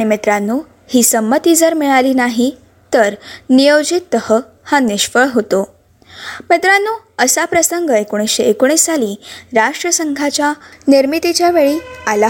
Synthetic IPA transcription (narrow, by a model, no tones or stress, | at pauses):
aɽ̃imet̪ɾanːo | hiːsəmət̪iːd͡zəɾmɛɭaliːnaɦi | t̪əɾnijod͡ʑit̪ːəhə | haniɕfəɭɦot̪o | met̪ɾanːo | əsapɾəsəŋɡəekoɽ̃isɕeekoɽ̃isaliɾaʂʈɾəsəŋɡʰʱat͡ɕjaniɾmit̪it͡ɕjaʋeɭiːala